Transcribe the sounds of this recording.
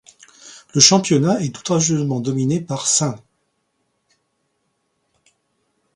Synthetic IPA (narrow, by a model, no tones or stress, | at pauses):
ləʃɑ̃pjɔnaɛt̪u̥t̪ʁaʒjøzmɑ̃d̪ɔminepaʁsɛ̃